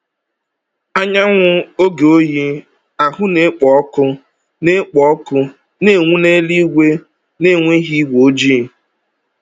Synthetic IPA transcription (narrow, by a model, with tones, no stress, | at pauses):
a˦ɲa˦ŋʷʊ˦o˦ɡe˨o˦ji˦ | a˨ɦʊ˦ne˦k͡pɔ˨ɔ˦kʊ˦ | ne˦k͡pɔ˨ɔ˦kʊ˦ | ne˦˨ŋʷu˦ne˦li˦ɡʷe˦ | ne˦˨ŋʷe˦ɦi˦ɡʷo˨˦d͡ʒi˦˨